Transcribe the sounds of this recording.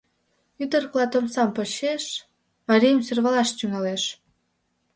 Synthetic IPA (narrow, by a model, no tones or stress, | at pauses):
yd̪ə̆rklɑt̪omsɑmpəɕeʃ | mɑɾʲijəmsyrβɑlɑʃt̪yŋɑleʃ